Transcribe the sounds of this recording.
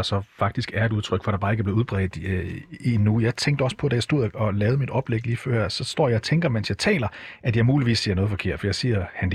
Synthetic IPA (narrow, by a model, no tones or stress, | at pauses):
sɒ̽fɑ̈ɡ̥̚d̥isɡ̥æɐed̥uðˠt͡sʰʁœɡ̥fɒɾ̥ɑ̈b̥ɑ̈ːeɡəɐb̥le̝ð̩ˠuðˠb̥ʁɛ̰ːð̥ˠinujɑ̈ɪt͡sʰeŋɡd̥əɒ̽sə̥pʰɒ̽d̥æjäsd̥o̝ð̰ˠɒ̽lɛːʊð̞̩ˠmid̥ɒ̽b̥leɡ̥liːfɶɐjæ̰sɒ̽sd̥ɒ̰ːjɑ̈t͡sʰeŋɡ̥ɐmen̰sjɑ̈ɪt͡sʰɛ̰ːlɐʔæd̥jɑ̈ɪmuːliʋḭːsːiɐnɔːð̞̩ˠfɒ̽kʰe̝ɐ̰d̥fɒ̽jɑ̈ɪsiːɐhænd̥